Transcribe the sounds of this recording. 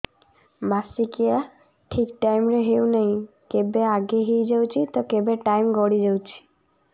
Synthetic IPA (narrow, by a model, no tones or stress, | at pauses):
basikia | ʈʰikʈajmɾeɦewnej̃ | kebeaɡeɦijd͡ʒawt͡ʃʰit̪ɔkebeʈajmɡɔɽid͡ʒawt͡ʃʰi̥